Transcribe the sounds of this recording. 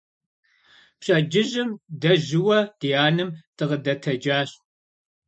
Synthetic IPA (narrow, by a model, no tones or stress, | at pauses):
pɕʼɐd͡ʒɪʑɪmdɐʑɪwɐd̥ijaːnɨmtʰʼɨʁədɐtʰɐd͡ʒaːɕ